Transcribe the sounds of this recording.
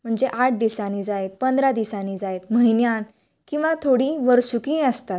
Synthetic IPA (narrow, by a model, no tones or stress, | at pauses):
m̤əɳd͡zeʔaʈ̚d̪isanid͡zaet̪̚pənd̪ɾad̪isaniːd͡zaet̪məɦinjan | kĩw̃ʋat̪ʰoɽiːʋəɾɕukĩːəst̪at̪̚